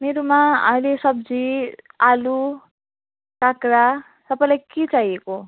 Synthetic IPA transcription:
meɾomaʌ̰ilesʌb̚d͡zialu | kakɾa | sʌpajlajkit͡saɦieko

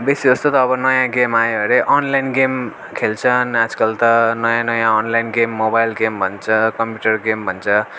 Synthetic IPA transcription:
besid͡zʌst̪ot̪ʌːbʌnʌjãɡemajʌɾeʔʌnlajnɡem | kʰelt͡sʰʌnad͡zkʌlt̪ʌnʌjãnʌjãɔnlajnɡemːobajlɡembʱʌnt͡sʰʌkʌmpjuʈʌrɡembʱʌnt͡sʰʌ

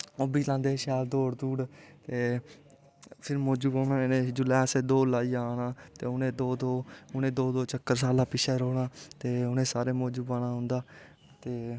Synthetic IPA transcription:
oːbiːlãːnd̪eːʃɛːld̪oːɽd̪uːɽt̪eː | pʰɪɾmoːd͡ʒuːbaːnãːɪnẽːd͡ʒʊlɛːseːd̪oːlaːiːaːnaːt̪eːʊnẽːd̪oːd̪oːʊnẽːd̪oːd̪oːt͡ʃəkːəɾs̬aːlãːpɪʃʰɛːɾoːɽãːt̪eːʊnẽːsaːɾeːmoːd͡ʒuːbaːnaːɦʊ̃nd̪aː | t̪eː

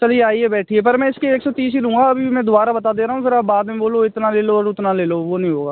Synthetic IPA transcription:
t͡ʃɐlieaːiɦɛbɛːʈʰiɦepɐɾmɛ̃ɪskieːksɔːt̪iːs̬ilũːɡaɐbʱibʱimɛ̃d̪ʊaːɾabɐt̪ad̪eːɾaːɦũpʰɪɾaːbaːd̪mẽboːloɪt̪naleːloɔɾʊt̪naleːloʋonəɦĩɦoːɡaː

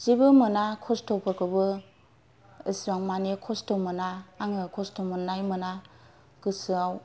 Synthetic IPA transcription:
z̥ibɯmɯnakʰɔstʰɔpʰɯkɯbɯ | ɯsɾaŋmanikʰɔstɔmɯnaːŋɯkʰɔstɔmɯnajmɯna | ɡ̥ɯsɯaw

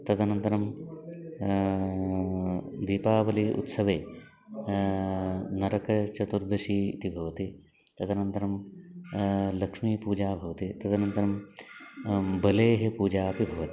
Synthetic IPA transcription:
t̪ɐt̪ʰɐnɐnt̪ɐɾɐm | d̪iːpaːbɐliʔṵt̪sɐʋeː | nɐɾɐkɐt͡ʃɐt̪uɾd̪ɐʃiːt̪ibʱɐʋɐt̪i | t̪ɐt̪ʰɐnɐnt̪ɐɾɐm | lɐkʂmiːpuːd͡ʒaːbʱɐʋɐt̪it̪ɐt̪ʰɐnɐnt̪ɐɾɐm | bɐleːɦepuːd͡ʒaːpibʱɐʋɐt̪i̥

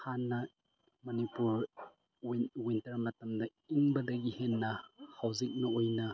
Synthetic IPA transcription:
hanːɐ | mɐnipuɾ | wwintɐɾmɐtɐmdɐiŋbɐdɐɡihenːɐhawzik̚nɐojnɐ

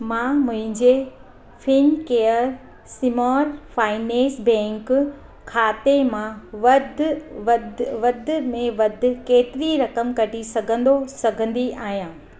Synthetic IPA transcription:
mãːmʊ̃ɦɪ̃ɲd͡ʑe | fʰɪnkeːəɾ | sɪmɔːɾfaːɪnẽːsbɛ̃ːŋk | kʰaːt̪emãʋɐd̪ʱʋɐd̪ʋɐd̪ʱʊmẽʋɐd̪ʱʊ̆keːt̪ɪɾiɾɐkəmkɐʈisɐɡʱə̃nd̪osɐɡʱə̃nd̪iʔaːɦijãː

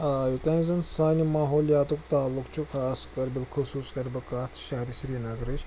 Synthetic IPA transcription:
ajut̪ɐ̃ŋzɐnsaːjnimaːɦoːlijaːt̪ukt̪aːlːukt͡ʃʰukʰaːskʼɐɾbilkʰɨsuːskɐɾbɨkaːt̪ʰʃɐɦɾisɾiːnɐɡɾɨt͡ʃ

